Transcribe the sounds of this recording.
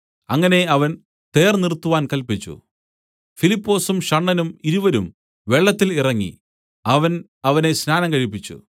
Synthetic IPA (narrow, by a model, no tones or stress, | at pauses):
ɐŋːɐne̞ɐʋɐn | t̪e̞ːrnirt̪ːuʋaːnkɐlpit͡ɕːṵ | filipːo̞ːsumɕɐɳːɐnumiɾuʋɐɾum | ʋe̞ɭːɐt̪ːilirɐŋːḭ | ɐʋɐn | ɐʋɐne̞snaːnɐŋkɐɻipːit͡ɕːṵ